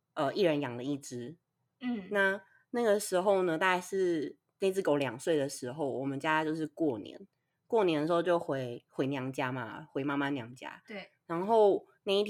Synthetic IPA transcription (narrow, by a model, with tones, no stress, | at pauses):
ʔə˧i˥˩ɻə˧˥njɑ˨˩ŋlə˨i˥˩ʈ͡ʂɻ̩˥˩ | na˥˩ | na˥˩ɡə˩ʂɻ̩˧˥xo˥˩ʊnə˨t̪a˥˧ka˥˧ʂɻ̩˥˧ | na˥˧ɪi˥t͡sɹ̩˥˩ko˨˥ʊljɑ˨˩ŋswe˥˩ɪd̪ə˩ʂɻ̩˧˥xo˥˩ʊwɔ˨˩mə˨˦nt͡ɕja˥˧t͡ɕjo˥˧ʊʂ̬ɻ̩˥˧kwɔ˥˩njɛ̰˧˦n | kwɔ˥˩njɛ˧nd̪ə˩ʂ̩ɻ̩˧o˧t͡ɕjo˥˩ʊxwe˧˥ɪxwe˧˥ɪnjɑ˧˥ŋt͡ɕja˥ma̰˨xwe˧˥ɪma˥˧ma˥˨njɑ˧˥ŋt͡ɕja̰˥ɻa˧˥nxo˥˩ʊ | na˥˧ɪi˥˩t̪ʰ